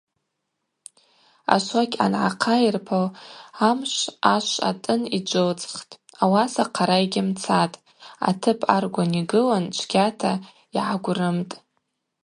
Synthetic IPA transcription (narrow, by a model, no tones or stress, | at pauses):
a̰ʃʷakʲʰʼa̰nʕaqʰairpʰalamʃʷaʃʷa̰tʼɨnid͡ʒʷɨlt͡sʼχtʼ | awasaqʰaɾaiɡʲɪmt͡sʰatʼ | a̰tʰɨpʰa̰rɡʷaniɡɨlant͡ʃʷʰɡʲatʰa | iʕaɡʷrɨmtʼ